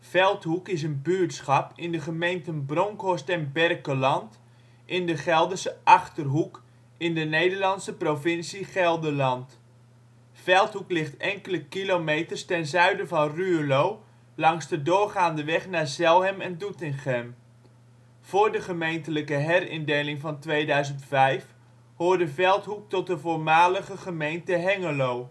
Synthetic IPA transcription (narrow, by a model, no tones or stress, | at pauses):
fɛlˠthukɪs̬ənbyːtsχɑpɪndəχəmejntənbroŋkostɛnbɛrkəlɑnt | ʔɪndəχɛlˠdəsəʔɑχtərɦuk | ɪndənejdəɹlɑnsəprovɪnsiχɛlˠdəlɑnt | fɛlˠthuklɪχtɛŋkələkilomejtərstɛnzœɥdəvɑnryəlow | lɑŋzdədʊːɹχaːndəʋɛχnaːɹzɛlˠɦɛmɛndutɪŋχɛm | v̥ʊːɹdəχəmejntələkəɦɛrɪndejlɪŋvɑntʋejdœɥzəntfɛjf | hʊːɹdəvɛlˠtɦuk̚tɔt̚dəvoːɹmaːləχəχəmejntəɦɛŋəlow